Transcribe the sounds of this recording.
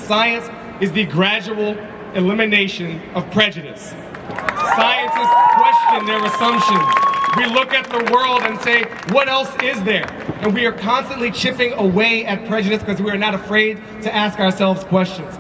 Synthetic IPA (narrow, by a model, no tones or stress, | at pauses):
saɪɨ̃ns | ɨzðɨɡɹæd͡ʒəl̩ˠ | ɨlɪ̃mɨneɪʃɨ̃nʌv̥pʰɹ̥ɛd͡ʒɨɾɨ̰s | saɪɨ̃nsɨz̥kʰw̥ɛst͡ʃɨ̃nðə˞ɨsʌ̃mpʃɨ̃nz̥wilʊkɨt̪̚ðəwɜ˞lˠdɨ̃nseɪ | wʌɾɛlˠsɪzðə˞ | ʔɨ̃nwiə˞kʰɑ̃nstɨ̃nʔlit͡ʃʰɪpɪ̃ŋəweɪɨt̚pʰɹ̥ɛd͡ʒɨɾɨskʰʌzwiə˞nəɾəfɹeɪd̚ | tʰɨæskəə˞sɛlˠvz̥kʰw̥ɛst͡ʃɨ̃nz̥